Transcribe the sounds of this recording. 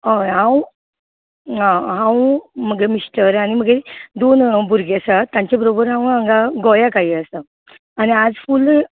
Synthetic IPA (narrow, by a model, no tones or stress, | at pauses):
ɦoɦãw | ɦãɦãwməɡemisʈəɾañiməɡed̪onbʱuɾɡeasat̪ãɲt͡ɕabəɾobəɾɦãw̃ãŋɡaɡɔjakaɦiəsa | añiad͡zful